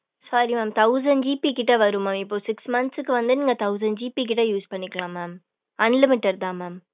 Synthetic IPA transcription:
saːɾimaːmt̪ɐʊs̬ɐɳɖd͡ʒiːpikɪʈːɐʋɐɾɯmaːmɪpːoːsɪksmɐnt̪sɯkːɯʋɐnd̪ɯniːŋɡɐt̪ɐʊsɐɳɖd͡ʒiːpik̬ɪʈːɐjuːspɐɳːɪkːɐɭãːmaːm | ɐnlɪmɪʈːɐɾd̪ãːmaːm

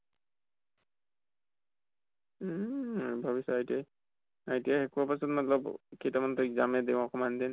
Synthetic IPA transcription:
bʱabisɔajtiaj | ajtijaxɛkuapasɔtmatlɔbkejtamantɔzamɛdẽɔkɔmandin

